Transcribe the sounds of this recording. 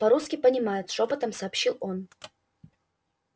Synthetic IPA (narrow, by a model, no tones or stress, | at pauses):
pɐɾuskʲɪpənʲɪmajʊt̪ʂopət̪əmsɐːpɕilˠo̞n